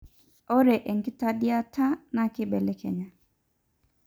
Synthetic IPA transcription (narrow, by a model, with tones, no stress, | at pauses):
ɔ˦ɾe˨ʔe˨ŋkɪ˦ta˦di˦a˦tʰa˦na˦kɪ˦bɛ˨le˦kʰḛ˨ɲa˨